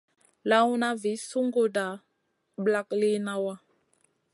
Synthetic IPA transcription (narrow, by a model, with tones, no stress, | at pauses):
la˦wu˦na˦vi˨˦su˦ŋɡo˦da˨ | ɓla˦kli˦na˦wa˦